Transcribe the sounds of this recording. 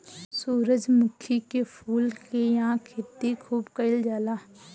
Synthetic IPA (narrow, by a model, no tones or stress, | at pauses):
suːɾəd͡ʒmʊkʰikepʰuːlkejɐɦãkʰet̪ikʰuːbkəɪld͡ʒaːlaː